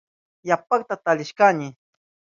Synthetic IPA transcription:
japakt̪at̪alɪʃkanɪ

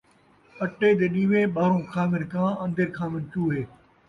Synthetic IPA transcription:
əʈeːd̪eːɗiːʋeːɓaːɾõːkʰaːmɪnkãːə̃nd̪əɾkʰãːmɪnt͡ʃuːɦeː

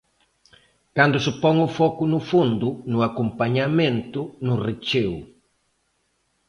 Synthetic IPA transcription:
kand̪ʊsɪpɔŋʊfɔkʊnʊfund̪ʊnʊakompaɲamẽnt̪ʊnʊrit͡ʃew

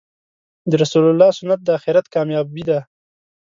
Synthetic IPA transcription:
d̪əɾasulalːɑsʊnat̪̚d̪əaxɪɾat̪kɑmjɑbid̪a

